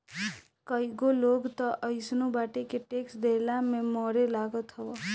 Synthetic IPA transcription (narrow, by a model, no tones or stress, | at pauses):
kəjɡoloɡt̪ɔʔəjsnubaʈekeʈeksd̪elamemɔɾelaɡɔt̪ɦɔɔ